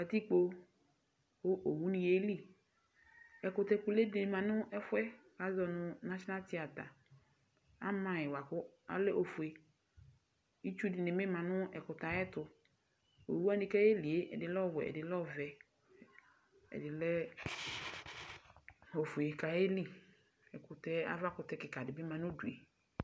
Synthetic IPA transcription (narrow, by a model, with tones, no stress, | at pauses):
ka˨t̪i˦k͡po˦ | wo˦ʔo˨wu˦nĩ˨je˦li˦ | ɛ˨kʊ˨t̪ɛ˨ku˨le˦dɪ˨mã˨nʊ̃˦ʔɛ˦fʊ˦ɛ˦ | a˨zɔ˨nʊ̃˨nã˦ʃɔ˦na˦t̪i˦a˨t̪a˨ | a̰˦mã˨jɛ˨wa˨kʊ˦a̰˦le˦ʔo˨fu˨e˨ | i˦t͡ʃu˦dɪ˨nɪ˨mɪ̃˦mã˨nʊ̃˦ɛ˨kʊ˨t̪a˨jɛ˦tʊ˨ | o̰˨wu˦a˦dɪ˨kɛ˦e˦li˨e˦ʔɛ̰˨dɪ˨lɔ˦˨wɛ̰˨ɛ̰˨dɪ˨lɔ˦˨vɛ˨ | ɛ̰˨dɪ˨lɛ˦ | o˨fu˨e˨ka˨je˦li˦ | ɛ˨kʊ˨t̪ɛ˦a̰˦va˦kʊ˨tɛ˦kɪ˨ka˨dɪ˨bɪ˦mã˨nʊ̃˦du˨e˨